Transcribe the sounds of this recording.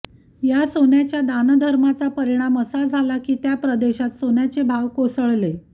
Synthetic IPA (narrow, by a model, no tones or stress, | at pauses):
jasonjat͡ɕjad̪and̪ʱəɾmat͡sapəɾiɽ̃aməsad͡zʱalakiːt̪japɾəd̪eɕat̪sonjat͡sebʱaʋkosəɭle